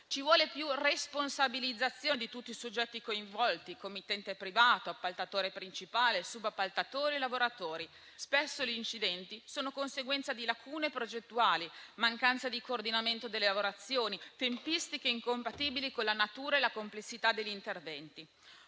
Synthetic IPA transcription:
t͡ʃivwɔːlepjuresponsabilid̪zːat̪sːjoːnd̪it̪ut̪ːisod͡ʒːɛt̪ːikoiɱvɔlt̪ikomːit̪ːɛnt̪epɾivaːt̪oapːalt̪at̪oːɾepɾint͡ʃipaːlesubapːalt̪at̪oːɾielavoɾat̪oːɾi | spesːoliːnt͡ʃid̪ɛnt̪isoːnokonseɡwɛnt̪sad̪ilakʰuːnepɾod͡ʒet̪ːuaːlimaŋkant̪sad̪ikoːrd̪inament̪od̪elːelavoɾat̪sːjoːnit̪empist̪ikeiŋkompat̪iːbilikonlanat̪uːɾaelakomplesːit̪ad̪eʎːint̪ervɛnt̪i

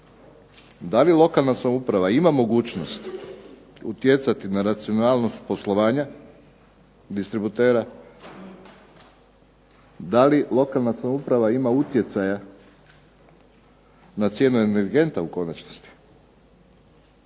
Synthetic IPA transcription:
d̪alilˠo̞kalˠnasamupɾaʋaimamo̞ɡuːt͡ʃno̞st̪ | ṵt̪je̞t̪sat̪inaɾat̪sio̞naːlˠnost̪̚po̞slo̞ʋaːɲa | d̪ist̪ɾibut̪e̞ːɾa | d̪alilo̞kalnasamupɾaʋaimaut̪je̞t̪saja | nat̪sje̞ːnueneɾɡe̞nt̪auko̞nat͡ɕnost̪i̥

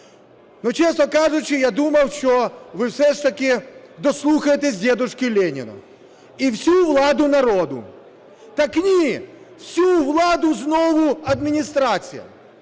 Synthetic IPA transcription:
not͡ɕesnɐkaʐʊt͡ɕɪjad̪umɐwʂt̪ɔvɨfsʲɛʂt̪ɐkʲɪd̪ɔslˠuxɐjɪt̪ʲɪzʲdʲed̪ʊʂkʲɪlʲenʲɪ̰nʊ̰ | ifsʲuvlˠad̪ʊnɐɾod̪ʊ̰ | t̪ɐknʲi | fsʲuvlˠad̪ʊznovʊɐd̪mʲɪnʲɪst̪ɾat̪sʲɨ̰jɐ̰

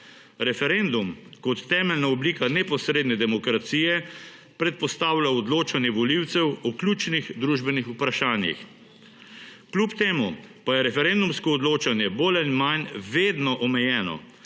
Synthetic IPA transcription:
ɾɛfɛɾend̪umkɔt̪ːɛːmɛlnaɔblikanɛpɔsɾeːd̪nɛd̪ɛmɔkɾat̪siːjɛ | pɾɛt̪̚pɔst̪aːwlʲaɔd̪loːt͡ʃanjɛʋɔliwt̪sɛwɔklʲuːt͡ʃnixd̪ɾuʒbɛnixupɾaʃaːnjḭx | klʲupt̪eːmupajɛɾɛfɛɾend̪umskɔɔd̪loːt͡ʃanjɛbolanmanʋeːd̪nɔʔɔmɛjɛːnɔ̰

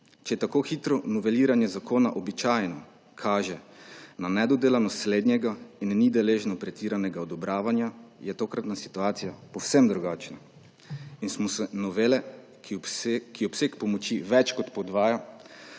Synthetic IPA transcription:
t͡ʃɛjɛt̪akoxit̪ɾɔnɔʋɛliːɾanjɛzakʰoːnaʔɔbit͡ʃaːjnɔ | kʰaːʒɛnanɛd̪ɔd̪eːlanɔsleːd̪nʲjɛɡainnid̪ɛleːʒnɔpɾɛt̪iːɾanɛɡaɔd̪ɔbɾaːʋanjajɛt̪oːkɾat̪nasi̥t̪uaːt̪sijapɔwsɛmd̪ɾuɡaːt͡ʃna | insmɔsɛnɔʋelɛ | kiɔpseːkpɔmɔt͡ʃiʋɛt͡ʃkɔt̪pɔd̪ʋaːja

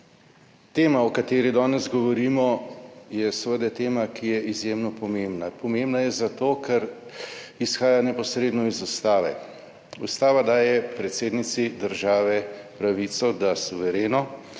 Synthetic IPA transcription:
t̪eːmaɔkat̪eːɾid̪ɔːnɛzɡɔʋɔɾiːmɔjɛsəʋəd̪ɛt̪eːmakijɛizjemnɔpɔmembnapɔmembnajɛzat̪oːkʰɛɾ | isxaːjanɛpɔsɾeːd̪nɔizust̪aːʋɛ̰ | ust̪aːʋad̪aːjɛpɾɛt̪seːd̪nit̪sid̪əɾʒaːʋɛpɾaʋiːt̪sɔd̪asuʋɛɾeːnɔ

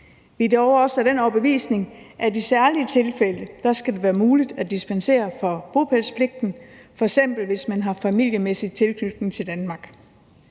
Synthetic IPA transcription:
ʋid̥eɒʊɐɒ̽sæd̥enɒb̥əeʋḭːsne̝ŋʔædisæɐliət͡sʰe̝lfeləd̥ɑ̈sɡ̥æd̥e̝ʋæːɐmuːlid̥æd̥isb̥ænse̝̰ːɐfɒ̽b̥o̝pʰælspʰle̝ɡ̥̚d̥n̩fɒ̽eɡ̥sem̰b̥l̩ʋe̝smænɦɑ̈fæmil̰jəmesid̥̚t͡sʰe̝lkʰnyd̥nŋ̩t͡sʰe̝ld̥ænmɑ̈ɡ̥

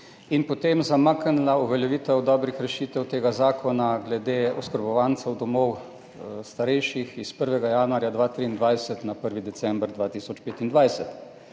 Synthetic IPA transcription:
inpɔt̪emzamaknlauʋɛljɛʋiːt̪ɛwd̪ɔːbɾixɾɛʃiːt̪ɛwt̪eːɡazaːkʰɔnaɡlɛd̪eːɔskəɾbɔʋant̪sɛwd̪ɔmɔw | st̪aɾɛjʃixispəɾʋɛɡajanuaːɾjad̪ʋaːt̪ɾiːnd̪ʋajsɛt̪napəɾʋid̪ɛsɛmbɾd̪ʋaːt̪isɔt͡ʃpeːt̪ind̪ʋajsɛt̪

